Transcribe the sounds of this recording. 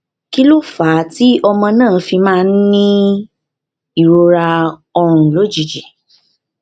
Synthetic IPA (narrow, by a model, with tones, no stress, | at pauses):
ki˦lo˦faː˨˦ti˨˦ɔ˧mɔ̃˧nãː˦˨fi˧mãː˦˧˦n̩˦nĩ˦ | i˨ɾo˧ɾa˧ɔ˧ɾ̃ũ˨lo˦d͡ʒi˨d͡ʒi˨